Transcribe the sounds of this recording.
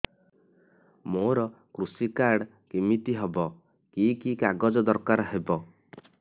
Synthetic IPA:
moɾɔ | kɾusikaɾɖ | kimit̪iɦebɔ | kikikaɡɔd͡ʒɔd̪ɔɾkaɾɦebɔ

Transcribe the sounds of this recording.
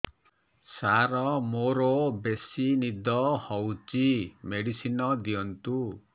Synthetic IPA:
saɾɔmoɾɔbesinid̪ɔhɔwt͡ʃimeɽisinɔd̪iɔnt̪u

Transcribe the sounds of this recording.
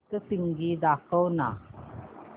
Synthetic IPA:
kəsiŋɡid̪akʰəwna̰

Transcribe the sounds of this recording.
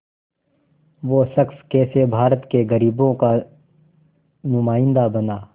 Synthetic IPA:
ʋoːsɐkskɛːsebʱaːɾət̪keɣɐɾiːbõka | nʊmaːɪ̃nd̪abɐnaː

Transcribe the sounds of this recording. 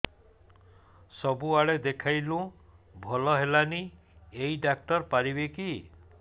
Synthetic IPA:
sɔbuaɭed̪ekʰajlũ | bʱɔlɔɦelani | ejɖak̚ʈɔɾpaɾibeki

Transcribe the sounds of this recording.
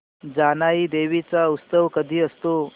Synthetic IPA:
d͡zanaiːd̪eʋit͡saust̪əʋkəd̪ʱiːəst̪o

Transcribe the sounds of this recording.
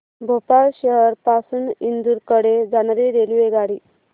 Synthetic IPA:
bʱopaɭɕəɦəɾpasunind̪uɾkəɽed͡zanaɾiɾeliʋeɡaɽiː

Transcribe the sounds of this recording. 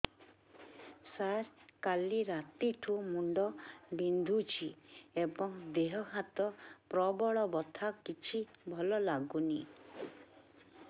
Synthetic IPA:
saɾkaliɾat̪iʈʰumuɳɖɔbind̪ʱut͡ʃʰiebɔŋd̪eɦɔɦat̪ɔpɾɔbɔɭɔbɔt̪ʰakit͡ʃʰibʱɔlɔlaɡuni

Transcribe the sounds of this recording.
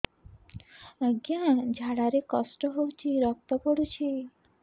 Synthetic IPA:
aɡjãd͡ʒʱaɽaɾekɔsʈɔɦowt͡ʃʰiɾɔk̚t̪ɔpɔɽut͡ʃʰi

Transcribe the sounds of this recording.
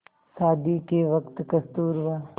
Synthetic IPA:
saːd̪ikeʋɐkt̪kɐst̪uːɾʋaː

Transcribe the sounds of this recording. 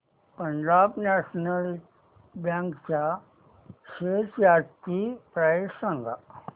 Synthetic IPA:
pəɲd͡ʑabnæɕnəl | bjãŋkt͡ɕja | ɕet͡sjaɾt̪ipɾajsãŋɡa̰

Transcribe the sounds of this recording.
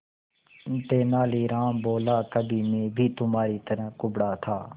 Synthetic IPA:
t̪eːnaːliːɾaːmboːlaːkəbʱiːmẽːbʱiːt̪ʊmaːɾiːt̪əɾə̃ːkʊbɽaːt̪ʰaː

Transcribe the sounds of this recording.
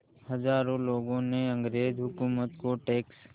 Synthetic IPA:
hɐzaːɾõloːɡõneɐ̃ŋɡɾeːd͡ʒɦʊkuːmət̪koʈeːks

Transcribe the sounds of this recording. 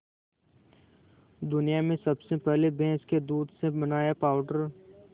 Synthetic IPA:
d̪ʊnijamẽsɐbsepɛɦlebɛ̃ːsked̪uːd̪sebɐnaːjapaːʊɖəɾ

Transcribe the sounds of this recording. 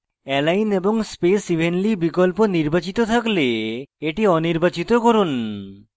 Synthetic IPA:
ɛlajneboŋspesibʱenlibikolponiɾbat͡ɕit̪ot̪ʰakleeʈiɔniɾbat͡ɕit̪okoɾun

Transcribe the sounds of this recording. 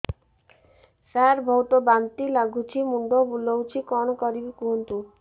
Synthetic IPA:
saɾbʱɔwt̪ɔbant̪ilaɡʱut͡ʃʰimuɳɖɔbulowt͡ʃʰikɔnɔkɔɾibikuɦunt̪u

